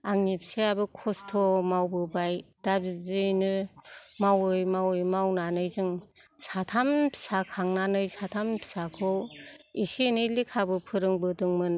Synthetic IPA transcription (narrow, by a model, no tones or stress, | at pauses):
aŋnipʰseabɯkʰɔstʰɔmawbɯbajd̥abizɯjnɯmawɯjmawɯjmawnanɯjzɯŋsatʰampʰi̥sakʰaŋnanɯjsatʰampʰi̥sakʰɯwisinɯlikʰabɯpʰɯɾɯŋbɯdɯŋmɯn